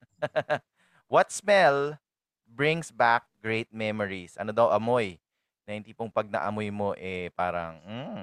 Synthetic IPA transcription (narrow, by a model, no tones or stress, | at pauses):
wɐt̪̚smɛl | bɹɪŋsbak̚ɡ̥ɹejt̪̚mɛmoɹisʔɐ̰nod̪ɐwʔɐmoj | nɐhɪnt̪ipoŋpɐɡ̚nɐ̰ʔɐ̰mojmo̞ʔɛpaːɾɐ̰ŋm̩